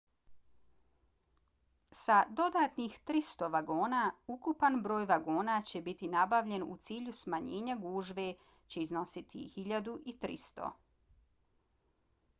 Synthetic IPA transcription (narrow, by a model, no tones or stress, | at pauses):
sad̪o̞d̪aːt̪nixt̪ɾist̪o̞ʋaɡo̞ːnaːukupanbɾo̞ːjʋaɡoːnaːt͡ɕe̞bit̪inabaʋʎe̞nṵt̪siːʎusmaɲeːɲaɡuːʒʋe̞ | t͡ɕe̞izno̞sit̪ʰḭhiʎad̪uʔit̪ɾḭst̪o̰